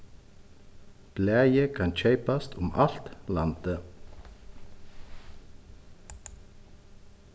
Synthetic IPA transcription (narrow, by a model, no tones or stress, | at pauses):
plɛːjəkʰanc͡çʰœɥpast̪ʰʊmal̥t̪lant̪ə